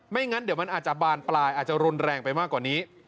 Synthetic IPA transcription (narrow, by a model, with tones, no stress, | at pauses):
ma˥˩jŋa˦˥ndi˨˦wma˧nʔaː˨˩t̪̚t͡ɕa˨˩baː˧nplaː˧jʔaː˨˩t̪̚t͡ɕa˨˩ɾu˧nɾɛː˧ŋpa˧jmaː˥˩kːwaː˨˩niː˦˥